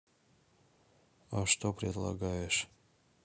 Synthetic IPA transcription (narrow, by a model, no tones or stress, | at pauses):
aʂt̪opɾʲɪd̪lˠɐ̰ɡajɪʂ